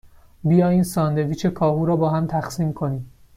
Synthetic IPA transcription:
bijɒːjiːnsɒːnd̪eviːt͡ʃʰe̞kʰɒːɦuːɾɒːbɒːɦæmt̪ʰæxsiːmkʰo̞niːm

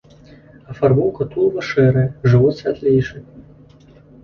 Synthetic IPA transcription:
ɐfarbuwˠkɐt̪ulˠvɐʂɛɾɐjɐʐɨvɔt̪sʲat̪lʲejʂɨ

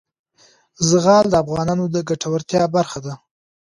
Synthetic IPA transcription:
zəɣɑld̪əafɣɑnɑnod̪əɡaʈʰawəɾt̪jɑbaɾxad̪a

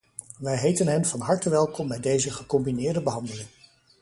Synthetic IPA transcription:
ʋɛjɦejtənɦɛnvɑnɦɑɹtəʋɛlˠkɔmbɛjdejzəχəkɔmbinɪːɹdəbəɦɑndəlɪŋ

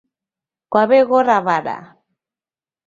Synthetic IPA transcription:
kwaβɛɣɔɾaβaɺa̰

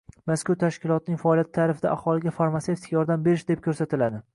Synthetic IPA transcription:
maskʊɾt̪ʰaʃkʲɪlˠɒt̪ɪnɪŋfaɒlijat̪ʰːaːɾɪfɪd̪aʔahɒlɪɡʲafaɾmat̪seft̪ɪkʲʰajɒɾd̪ambe̞ɾɪʃd̪e̞p̚kʰɵɾsat̪ʰɪlad̪ɪ

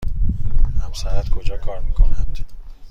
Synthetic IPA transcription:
hæmsæɾæt̪kʰod͡ʒɒːkʰɒːɾmiːkʰonænd̪̥

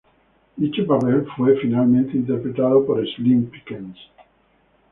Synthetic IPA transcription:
it͡ʃepapelfwefinalmẽnt̪eint̪eɾpɾet̪aðopoɾeslĩmpikẽns

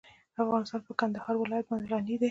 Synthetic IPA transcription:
əafɣɑnɪst̪ɑnpəkand̪ahɑɾwɪlɑjat̪̚bɑnd̪elɑnid̪e

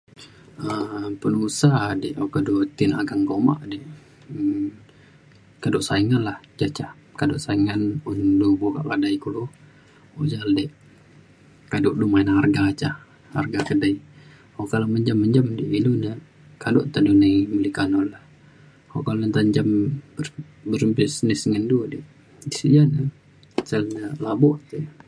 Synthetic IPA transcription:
əpənusadɛʔoʔkadot̪inaɡaŋɡoma̰ʔdɛʔ | kadoʔsaiŋanlaht͡ʃat͡ʃah | kadoʔsaiŋanundubukaʔkadaikulu | oʔd͡ʒaldɛʔ | kadʊʔdumainharɡat͡ʃa | ha̰rɡakədai | hoʔkalaməɲd͡ʒamːəɲd͡ʒamdiʔiluna | kado̰ʔt̪adunaiməlikanɔlah | hoʔkalnt̪aɲd͡ʒambə | bəɾmbisnɪsŋəndudɛʔ | isijana | səlnalabɔʔt̪u

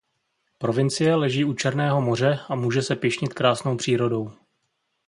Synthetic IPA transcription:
pɾo̞vɪnt͡sɪjɛlɛʒiːut͡ʃɛɾnɛːɦo̞mo̞r̝ɛamuːʒɛsɛpɪʃɲɪt̪kɾaːsno̞wpr̝̥iːɾodo̞w

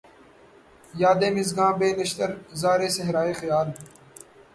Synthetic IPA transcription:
jaːd̪eːmɪzɡãːbeːnɐʃt̪əɾzaːɾeːsɐɦɾaːeːxɪjaːl

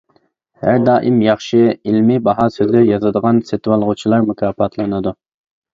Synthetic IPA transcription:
hæɾd̪ɑːʔimjɑχʃɨilmibɑɦɑsøzlɪɾjɑzɨd̪əʁɑnset̪wɑlˠʁʊt͡ʃʰilˠɑɾmukʲʰɑːfɑt̪ʰlˠɨnɨd̪u

